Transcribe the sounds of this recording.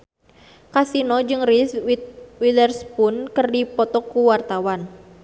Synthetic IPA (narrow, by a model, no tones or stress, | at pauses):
kasinɔd͡ʒɨŋriswilərspunkərdipɔt̪ɔkuwart̪awan